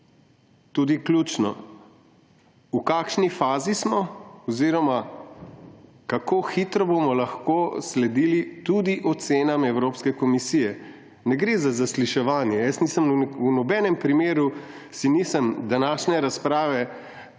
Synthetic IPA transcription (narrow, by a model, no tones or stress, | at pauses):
t̪uːd̪iklʲuːt͡ʃnɔ̰ | ukaːkʃnifaːzismɔɔziɾɔma | kakoːxit̪ɾɔbomɔlaxkoslɛd̪ilit̪ud̪iʔɔt̪seːnamɛwɾoːpskɛkɔmisijɛ | nɛɡɾezazasliʃɛʋaːnjɛjəsniːsəmunɔbɛnɛmpɾimeːɾusiniːsəmd̪anaːʃnɛɾaspɾaːʋɛ